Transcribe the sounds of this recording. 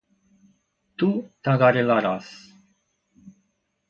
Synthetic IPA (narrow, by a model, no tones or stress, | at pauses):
t̪ut̪aɡaɾilaɾas